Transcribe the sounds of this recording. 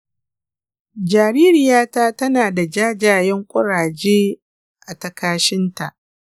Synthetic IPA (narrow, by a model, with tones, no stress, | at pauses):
d͡ʒaː˨ɾiː˦ɾɪ˨jaː˦taː˦tɐ˦naː˨da˨d͡ʒaː˦d͡ʒaː˨jɛ˦ŋkʷʼʊ˦ɽaː˨d͡ʒeː˦ | ʔa˨tɐ˨kaː˦ʃɪ˦nta˨ʔ